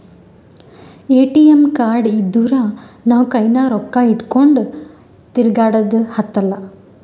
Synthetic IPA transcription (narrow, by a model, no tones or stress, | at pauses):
eːʈijemkaːɾɖid̪ːuɾɐnaːʋukɐjnaːɾɔkːaiʈkoɳɖ | t̪iɾɡaːɽɐd̪hɐt̪ːɐlːɐ